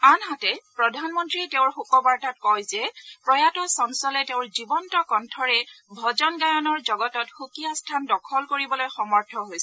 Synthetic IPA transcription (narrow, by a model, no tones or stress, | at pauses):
anɦatɛpɹɔdʱanmɔntɹiɛteʊ̃ɹxukɔbaɹtat̚kɔjzɛpɹɔjatɔsɔnsɔlɛteʊ̃ɹzibɔntɔkɔntʰɔɹɛbʱɔzɔnɡajɔnɔɹzɔɡɔtɔtxukijastʰandɔkʰɔlkoɹibɔlojxɔmɔɹtʰɔɦojsɛ